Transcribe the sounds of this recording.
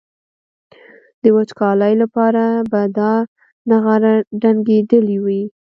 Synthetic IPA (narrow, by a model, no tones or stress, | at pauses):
d̪̥əwat͡ʃkɑlajlapɑɾabad̪ɑ | naɣaɖaŋɡed̪əliwi